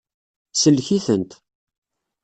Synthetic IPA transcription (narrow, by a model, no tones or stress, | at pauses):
səlːçiθənt̪